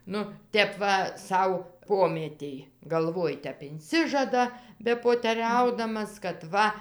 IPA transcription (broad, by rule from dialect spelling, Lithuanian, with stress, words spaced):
ˈnʊ ˈtʲɛp ʋɐ ˈsɐʊ ˈpoːmʲiɛtʲeːj ɡɐlˠˈʋoːj ˈtʲɛp ɪnʲˈsʲɪʒɐdɐ bʲɛpoːtʲɛˈrʲɛʊdɐmɐs kɐt ˈʋɐ